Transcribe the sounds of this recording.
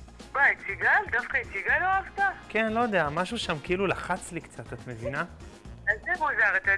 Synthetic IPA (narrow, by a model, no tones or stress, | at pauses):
bait͡siɡald̪afkait͡siɡaloavt̪akenlojod̪eamaʃuʃamkeilulaχat͡slikt͡sat̪at̪mevina | alzemuzaʁat̪a